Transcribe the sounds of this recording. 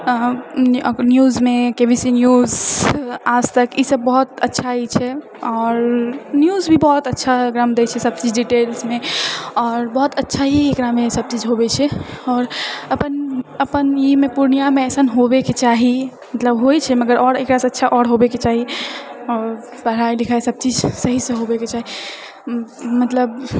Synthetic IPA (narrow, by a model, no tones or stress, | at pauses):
njuzmekebʱisinjuz | ad͡ʒt̪əkisəbːɔɦut̪ətːʃʰait͡ʃʰɛ | ɔːɾnjuzbʱibɔɦut̪ətːʃʰaɡɾamd̪et͡ʃʰɛsəb̚t͡ʃid͡ʒɖiʈelsmeɔːɾbɔɦut̪ətːʃʰaɦiekɾamesəb̚t͡ʃid͡ʒɦobɛt͡ʃʰɛɔːɾəpənəpənimepuɾnijameɛsənɦobeket͡ʃaɦi | mət̪ləbɦojt͡ʃʰɛməɡəɾʔɔɾekɾasə̃ətːʃʰaʔɔɽɦobeket͡ʃaɦiɔɾ | pəɦɾajlikʰaesəb̚t͡ʃid͡ʒsəɦisẽɦobeket͡ʃaɦi | mət̪ləb